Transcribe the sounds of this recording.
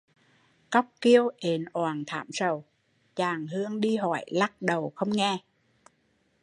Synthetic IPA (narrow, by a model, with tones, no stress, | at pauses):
ka˦˥wk͡p̚ki˧əwʔe˨˩˦nʔwaː˨˩nt̪ʰa̰ː˧˥msə˨˩w | t͡ɕaː˨˩ŋɦɨ˧əŋɗi˧ɦɔ̰˧˩jla˦˥k̚ɗə˨˩wxə˧wŋ͡mŋɛ˧